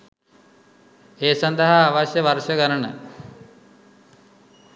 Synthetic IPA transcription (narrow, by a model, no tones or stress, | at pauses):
eːsɐnd̪əɦaːʋaʃjəʋɐɾʃɐkəɾənə̰